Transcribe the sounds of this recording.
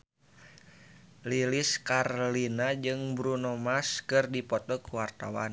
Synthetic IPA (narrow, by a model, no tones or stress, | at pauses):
liliskarlinad͡ʒɨŋbɾunɔmaskɨrdipɔt̪ɔkuwart̪a̰wa̰n